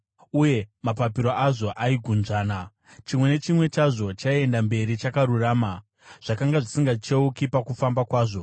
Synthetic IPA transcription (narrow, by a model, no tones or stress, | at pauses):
uje̞mapapiɾoʔaʐo̞ʔaiɡʱunʐaːna | t͡ʃimwe̞ne̞t͡ʃimwe̞t͡ʃaʐo̞t͡ʃaie̞ndambe̞ɾit͡ʃakaɾuraːma | ʐ̥akaŋɡaʐisiŋɡat͡ʃeukipakufambakwaːʐo̞